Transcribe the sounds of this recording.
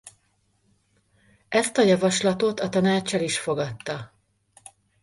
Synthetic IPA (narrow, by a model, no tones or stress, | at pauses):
ɛst̪ɒjɒvɒʃlɒt̪o̞t̪ɒt̪ɒnaːt͡ʃːɒliʃfo̞ɡɒt̪ːɒ